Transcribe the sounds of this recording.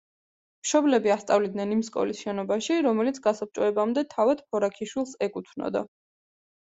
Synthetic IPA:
mʃɔblɛbiast̪sʼavlid̪nɛnimskʼɔ̰lisʃɛnɔbaʃiɾɔmɛlit̪sʰɡasap̚t͡ʃʼɔɛbamd̪ɛt̪ʰavad̪̥pʰɔɾakʰiʃwilˠsɛkʼut̪ʰnɔ̰d̪a̰

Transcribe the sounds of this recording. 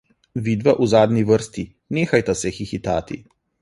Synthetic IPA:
ʋid̪ʋaʔuzaːd̪niʋərst̪i | neːxajt̪asɛxixit̪aːt̪ḭ

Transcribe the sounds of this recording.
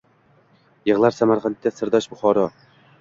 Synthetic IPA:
jɤʁlˠaɾsamaɾqʰɑnt̪̚t̪ʲːɛsɨɾd̪ɒʃbʊχɒɾɒ

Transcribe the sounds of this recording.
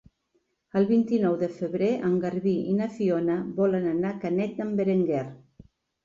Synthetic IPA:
əlˠβint̪inɔwðəfəβɾeʔəŋɡəɾβiinafionəβɔlənanakanɛt̪̚əmbeɾeŋɡɛr

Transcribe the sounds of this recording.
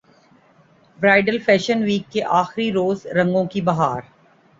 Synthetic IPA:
bɾaːɪɖəlfɛːʃənʋiːkːeʔaːxɾiɾoːzɾɐ̃ŋɡõkibɐɦaːɾ

